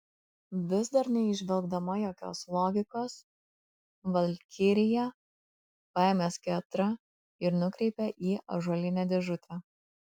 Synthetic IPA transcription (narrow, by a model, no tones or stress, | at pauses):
ʋʲɪzd̪ɐɾnʲɛɪʒʲʋʲɛlˠɡd̪ɐmɐjoːkʲo̰ːslˠɔːɡʲɪkoːs | ʋɐlʲkʲʰɪɾʲɪjɛ | pɑɛmʲɛskʲɛt̪ɾɐ | ɪɾnʊkɾʲɛɪpʲɛʔiːʔɐ̰ʒɔlʲɪnʲɛːd̪ʲɛʒʊt̪ʲʰɛ